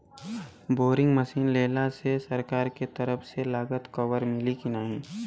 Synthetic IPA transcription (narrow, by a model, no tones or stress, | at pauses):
boːɾɪ̃ŋɡməsiːnleːlasesɐɾkaːɾket̪ɐɾəfselaːɡət̪kɐʋəɾmɪlikinaːɦĩː